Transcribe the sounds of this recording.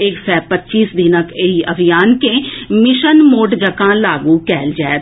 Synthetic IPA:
eːksɛːpətːʃiːsd̪ʱinəkeiɐbʱijaːnkẽmɪʃənmoːʈd͡ʒəkãlaːɡũkɛːld͡ʒaːe

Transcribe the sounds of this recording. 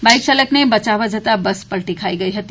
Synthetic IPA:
bajksələknebɐt͡ʃaʋəd͡ʒʱət̪abəspəɾʈikʰaiɡəiɦət̪i

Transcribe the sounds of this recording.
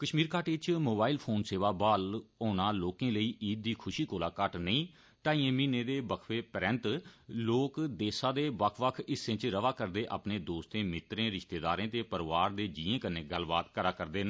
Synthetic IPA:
kəʃmiːɾkaːʈet͡ʃmoːbaːilpʰoːnseːʋaːbaːloːnaːloːkẽːləiːʔiːd̪̚ːiːkʰʊʃiːkoːlaːkəʈnəĩː | ʈaːĩːẽːmiːnẽːd̪eːbəkʰʋeːpəɾɛ̃nt̪loːkd̪eːsãːd̪eːʋəkʰʋəkʰɪsẽt͡ʃɾəʋaːkəɾd̪eːʔa̰ːpneːd̪oːst̪ẽːmɪt̪ɾẽːɾɪʃt̪eːd̪a̰ːɾẽːt̪eːpəɾʋaːɾd̪eːd͡ʒiːẽːkənːẽːɡəlbaːt̪kəɾaːkəɾd̪eːn

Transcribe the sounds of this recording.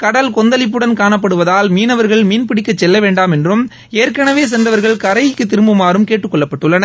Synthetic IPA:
kɐɽɐlkɔnd̪ɐlɪp̬ːɯɽɐnkaːɳɐp̬ːɐɽɯʋɐðaːlmiːnɐʋɐɾɣɐɭmiːnpɪɽɪkːɐt͡ʃːɛlːɐʋeːɳɖaːmɛndrɯm | eːɾkɐɳɐʋeːs̬ɛndrɐʋɐɾɣɐɭkɐɾɐjɪkːɯt̪ːɪɾɯmbɯmaːɾɯmkeːʈrɯkːɔɭːɐpːɐʈːɯɭːɐnɐ

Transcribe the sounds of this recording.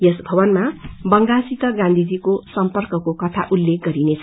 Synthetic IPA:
jesbʱʌbʌnmabʌŋɡasit̪ʌɡãnd̪ʱid͡zikosʌmpʌrkʌkokʌt̪ʰaʔulːek̚ɡʌɾinet͡sʰʌ

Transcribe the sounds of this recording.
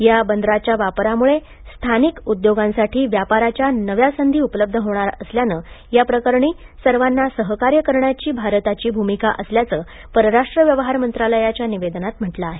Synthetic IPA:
jabənd̪ɾat͡ɕjaʋapɾamuɭe | st̪ʰanikud̪joɡãnsaʈʰiːʋjapaɾat͡ɕjanəʋjasənd̪ʱiːupələb̚d̪ʱəɦoɳ̃aɾəsljanəː | japɾəkəɾɳiː | səɾʋanːasəɦəkaɾjəkəɾɳjat͡ɕiːbʱaɾt̪at͡ɕiːbʱumikaʔəsljat͡səː | pəɾəɾaʂʈɾəʋjəʋəɦaɾmənt̪ɾaləjat͡ɕjaniʋed̪nat̪m̤əʈlaːɦe

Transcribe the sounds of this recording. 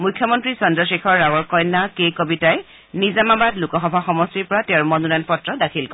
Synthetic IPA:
mujkʰːjɔmɔntɹisɔndɔsekʰɔɹːawɔɹkɔjnːakejkobitaj | nizamabatlukɔxɔbʱaxɔmɔstiɹpɔɹatɛʊmɔnunajnpɔtɹɔdakʰilkɔ

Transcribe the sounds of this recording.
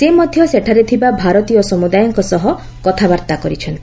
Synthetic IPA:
semɔd̪ʱjɔseʈʰaɾet̪ʰibabʱaɾɔt̪ijɔsɔmud̪ajɔŋkɔsɔɦɔ | kɔt̪ʰabaɾt̪akɔɾit͡ʃʰɔnt̪i̥

